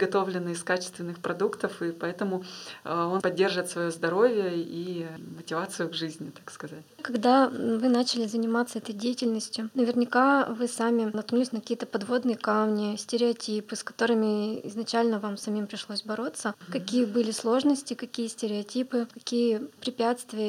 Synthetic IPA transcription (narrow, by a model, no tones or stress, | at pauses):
ɡɐt̪o̞vlʲɪnːɨɪskat͡ɕɪ̥st̪vʲɪnːɨxpɾɐd̪ukt̪əfɨpɐɛt̪əmʊonpɐdʲːe̞rʐɨt̪svɐjo̞zd̪ɐɾo̞vʲɪjəimətʲɪvat̪sɨjʊɡʐɨzʲnʲɪt̪akskɐzatʲkɐɡd̪avɨnat͡ɕɪlʲɪzənʲɪmat̪sːəɛt̪əjdʲejɪtʲɪlʲnəsʲtʲjʊnəvʲɪrnʲɪkavɨsamʲɪnɐt̪̚knulʲɪsʲnkɐ̥kʲijət̪əpɐd̪vo̞d̪nɨjəkamnʲɪsʲtʲɪɾʲɪɐtʲipɨskɐ̥t̪o̞ɾɨmʲɪɪ̰znɐt͡ɕælʲnəvamsɐmʲimpɾʲɪʂlˠosʲbɐɾo̞t̪sːəkɐkʲijəbɨlʲɪslˠo̞ʐnəsʲtʲɪkɐkʲijəsʲtʲɪɾʲɪɐtʲipɨkɐkʲijəpɾʲɪpʲat̪st̪vʲɪjə